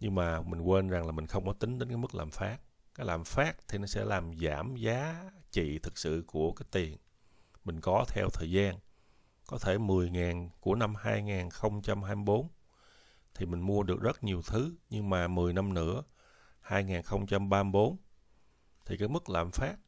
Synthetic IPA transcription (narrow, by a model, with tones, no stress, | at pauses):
ɲɨ˧ŋmaː˨˩mï˨˩ŋ̟kwe˧nza˨˩ŋlaː˨˩mï˨˩ŋ̟xə˧wŋ͡mkɔ˨˦t̪ï˨˦ŋ̟ɗe˨˦nkaː˨˦jmɨ˦˥k̚laː˨˩mfaː˦˥k̚ | kaː˨˦jlaː˨˩mfaː˦˥k̚t̪ʰi˨˩nɔ˨˦sɛ̰˧˥laː˨˩mzaː˧˩mzaː˨˦t͡ɕḭ˧˨t̪ʰɨ˨˩k̚sɨ̰˧˨ku˧˩əkaː˨˦jt̪i˨˩ən | mï˨˩ŋ̟kɔ˨˦t̪ʰɛ̰˧wt̪ʰəː˨˩jzaː˧n | kɔ˨˦t̪ʰe˧˩mɨ˨˩əjŋaː˨˩nku˧˩əna˧mhaː˧jŋaː˨˩nxə˧wŋ͡mt͡ɕa˧mɦaː˧jmi˧ɓo˨˦n | t̪ʰi˨˩mï˨˩ŋ̟mu˧əɗɨ˨˩ək̚z̥ə˦˥t̚ɲi˨˩əwt̪ʰɨ˨˦ɲɨ˧ŋmaː˨˩mɨ˨˩əjna˧mnɨ̰˧˥ə | haː˧jŋaː˨˩nxə˧wŋ͡mt͡ɕa˧mɓaː˧m˧˩ɓo˨˦n | t̪ʰi˨˩kaː˨˦jmɨ˦˥k̚laː˨˩mfaː˦˥k̚